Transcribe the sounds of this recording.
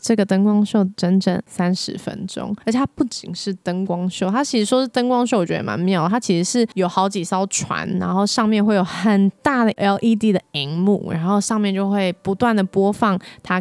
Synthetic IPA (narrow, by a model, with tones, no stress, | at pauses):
ʈ͡ʂɤ˥˩ɡə˩t̪ə˥ŋkwɑ˥ŋɕjo˥˩ʊʈ͡ʂə˧˥nʈ͡ʂə̰˨˩nsa˦˥nʂɻ̩˧˥fə̰˦˥nʈ͡ʂo̰˥ŋə˧˥t͡ɕʰj̪ʰaa˦pu˥˩t͡ɕi˨˩ŋʂɻ̩˥˩t̪ə˥ŋkwɑ˥ŋɕjo˥˩ʊt̪ʰa˥t͡ɕʰi˧˥ʂɻ̩˧˥ʂwɔ˥ʂɻ̩˥˩t̪ə˥ŋkwɑ˥ŋɕ̬jo˥˩wɔ˨˩t͡ɕɥɛ˧˥də̰˨˩ma̰˧˦nme˧˥jo˨˩˨t̪a˥t͡ɕʰi˧˥ʂɻ̩˧˥ʂɻ̩˥˩jo˨˩ʊxɑ˧˥ʊt͡ɕi˨˩sɑ˥ʊʈ͡ʂʰwa̰˧˥nɻa̰˧˥nxo˥˧ʊʂɑ˥˧ŋmjɛ˥˧nxwe˥˩ɪjo˨˩ʊxə˨˩nt̪a˥˩d̪ə˩jɑ˥˨˩ʊʔi˥˧t̪̬i˥˩d̪ə˩i˧˥ŋmṵ˥˨˩ɻa̰˧˥nxo˥˧ʊʂɑ˥˧ŋmjɛ˥˧nt͡ɕjo˥˧ʊxwe˥˩ɪpu˧˦t̪wa˥˩nd̪ə˩pwɔ˥fɑ˥˩ŋt̪ʰa˥